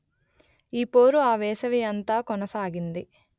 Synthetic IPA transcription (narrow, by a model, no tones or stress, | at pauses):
iːpoːɾuaːʋɛːsɐʋiɐnt̪aːkɔnɐsaːɡind̪i